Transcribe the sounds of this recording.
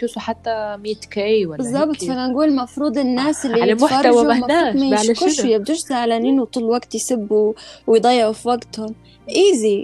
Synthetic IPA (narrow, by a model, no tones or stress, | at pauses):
t̪uːsuħat̪ːamiːt̪kaʔwabɪzˤːɑbt̪ˤfananɡuːlmɑfɾuːd̪ˤɪnːaːsɪlːilamʊħfɑɾˤawamɑaɾuːd̪maːlkʊʃjab̚d̪uːʃsaʕlaniːnwt̪ˤuːlːwaɡt̪jsɪbːuwɪjd̪ˤɑjːʕufiwaɡt̪hʊm | ʔiːzi